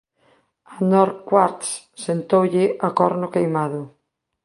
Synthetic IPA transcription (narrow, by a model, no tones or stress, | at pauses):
anɔɾkwaɾt̪s | sent̪owʎɪʔakɔɾnʊkejmaðʊ